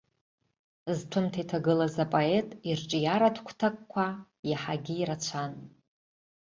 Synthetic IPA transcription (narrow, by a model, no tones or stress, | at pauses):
ztʰɨmtʰaitʰaɡɨlazapʼoe̞tʼirʈ͡ʂʼijaɾatʰkʷʰtʰakʼkʷʰa | jaħaɡʲiːɾat͡ɕʷʰan